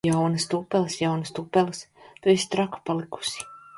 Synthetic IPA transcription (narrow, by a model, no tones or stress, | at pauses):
awnɨst̪upɛlˠɨsjawnɨst̪upːɛlˠɨst̪uist̪ɾaku̥palˠiku̥si̥